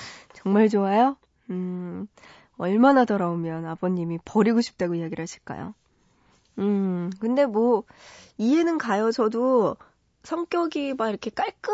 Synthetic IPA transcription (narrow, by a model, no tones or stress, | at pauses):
t͡ɕʌŋmaɭt͡ɕoajo | ɯ | ʌɭmanatʌɾaomjʌnaboɲimipʌɾiɡoɕʰi̥p̚t͈aɡoiaɡiɾɭɦaɕʰi̥ɭk͈a̰jo̰ | ɯkɯnde̞mwʌ | ie̞nɯnkajʌsʰʌdo | sʰʌŋk͈jʌɡibaiɾʌkʰe̞k͈aɭk͈ɯ